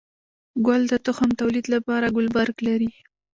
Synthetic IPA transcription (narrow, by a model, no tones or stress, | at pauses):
ɡwald̪ət̪ʊxamt̪awlid̪lapɑɾaɡʊlbaɾklaɾi